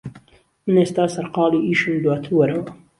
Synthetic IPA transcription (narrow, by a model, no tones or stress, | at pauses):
mɨneːst̪aːsɐɾqɑːliiːʃɨnd̪wɑːt̪ʰɨɾwɐɾɐwɐ